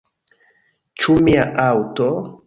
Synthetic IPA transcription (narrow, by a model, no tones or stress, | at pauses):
t͡ʃumiaʔawto